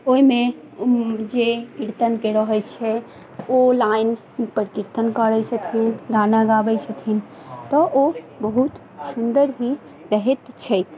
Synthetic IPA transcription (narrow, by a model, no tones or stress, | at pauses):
oime | d͡ʒekiɾt̪ənkeɾəɦɛt͡ʃʰɛ | olain | pəɾkiɾt̪ənkəɾɛjt͡ʃʰət̪ʰinɡanaɡabɛt͡ʃʰət̪ʰin | t̪ɔʔobəɦut̪ | sund̪əɾɦi | ɾəɦɛt̪t͡ʃʰɛjk̪